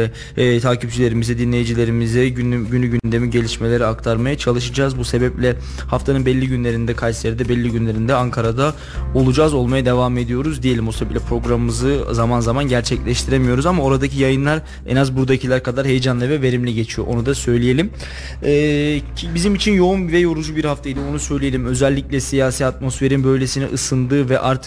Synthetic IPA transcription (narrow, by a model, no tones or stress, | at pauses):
t̪ʰaːcʰip̚d͡ʒilʲe̞ɾimizɛd̪inlʲe̞jd͡ʒilʲe̞ɾimizɛɟynyɟynd̪e̞miɟe̞lʲiʃme̞lʲe̞ɾiakt̪ʰaɾmajat͡ʃʰalˠɯʃɯd͡ʒaːzbuse̞bɛplʲɛ | haft̪ʰanɯnbɛlʲːiɟynlʲe̞ɾind̪ɛkʰajseɾd̪ɛbɛlʲːiɟynlʲe̞ɾind̪ɛaŋkʰaɾad̪a | o̞lˠud͡ʒaːzo̞lˠmajad̪e̞vame̞d̪ijo̞ɾuzd̪ije̞lʲimbusebɛplʲɛpʰɾo̞ɡɾammɯzɯzamanzamanɟæɾt͡ʃʰɛclʲɛʃt̪ʰiɾemijo̞ɾuzamao̞ɾad̪acʰijajɯnlˠaɾ | ɛ̰nazbuɾd̪acʰilʲæɾkʰad̪aɾhe̞jed͡ʒanlˠavɛve̞ɾimlʲɛɟe̞t͡ʃʰijo̞̰ʔonud̪asø̞jlʲije̞lʲim | ɛːbizimit͡ʃʰinjo̞umvɛjo̞ɾud͡ʒubiɾhaft̪ʰajd̪io̞nusø̞jlʲije̞lʲimø̞zælʲːiclʲɛsijaːsiːat̪̚mo̞sfe̞ɾinbø̞jlʲesinḭʔɯsɯnd̪ɯːvɛʔaɾt̪ʰɯ̥k̚